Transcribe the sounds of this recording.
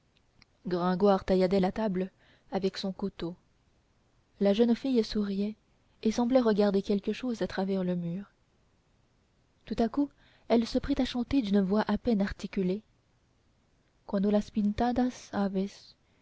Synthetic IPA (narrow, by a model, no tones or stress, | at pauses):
ɡʁɛ̃ɡwaːʁt̪ajad̪ɛlat̪abl | avɛksɔ̃kut̪o | laʒœnfijsuʁijɛ | esɑ̃blɛʁəɡʲaʁd̪ekʲɛlkəʃozat̪χavɛʁləmyːʁ | t̪ut̪aku | ɛlsəpχit̪aʃɑ̃t̪ed̪ynvwaʔapɛnaʁt̪ikʲyle | kwanolaspint̪ad̪asavɛs